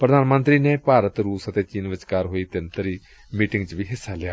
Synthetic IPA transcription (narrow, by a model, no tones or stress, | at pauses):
pɾəd̪ʱaːnmə̃nt̪ɾiːneːpaːɾət̪ɾuːsət̪eːt͡ʃiːnʋɪt͡ʃkaːɾɦoːiːt̪ɪnt̪əɾiː | miːʈɪŋɡt͡ʃʋiːɦɪsːalɪjaː